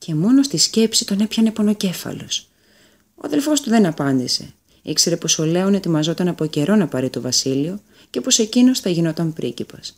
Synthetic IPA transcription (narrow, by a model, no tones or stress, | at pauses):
ce̞mo̞no̞st̪isce̞psit̪o̞ne̞pçɐnepo̞no̞ce̞fɐ̰lo̞s | oɐ̰ðe̞lfo̞st̪uðe̞nɐpɐnd̪ise̞̰ | ikse̞ɾe̞po̞so̞le̞o̞ne̞t̪imɐzo̞t̪ɐnɐpo̞ce̞ɾo̞nɐpɐɾit̪ovɐsilio̞ | ce̞po̞se̞cino̞sθɐʝino̞t̪ɐmpɾʔicipɐs